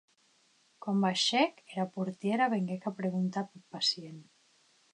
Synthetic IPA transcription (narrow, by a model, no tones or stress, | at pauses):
kwambaʃekeɾapuɾt̪jeɾaβeŋɡekapɾeɣunt̪apepasjen